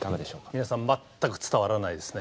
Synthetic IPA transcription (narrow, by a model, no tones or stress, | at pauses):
t̪amed̪eɕo̞ːkminasãmːat̪ːakɯ̟̥t͡sɨ̥t̪aβaɾanaid̪e̞sɨ̥ne